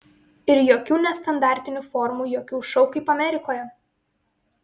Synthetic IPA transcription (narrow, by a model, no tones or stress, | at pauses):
ɪɾjoːkʲuːnʲɛst̪ɐnd̪ɑˑɾʲt̪ʲɪnʲufɔɾmuːjoːkʲuːʃɔʊkɐɪpɐmʲɛɾʲɪkoːjɛ